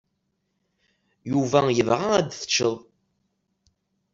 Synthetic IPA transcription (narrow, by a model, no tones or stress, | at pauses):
juvæjəvʁaæd̪θə̥t͡ʃːəðˤ